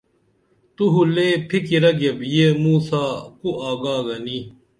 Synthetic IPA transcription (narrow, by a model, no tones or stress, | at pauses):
t̪uɦuleːpʰikiɾɐɡebjemuːsaːkuʔaːɡaːɡɐni